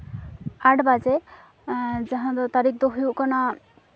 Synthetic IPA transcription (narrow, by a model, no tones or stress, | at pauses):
aʈbad͡ʒe | d͡ʒaɦãd̪ɔt̪aɾik̚ʰd̪ɔɦujuʔkɔna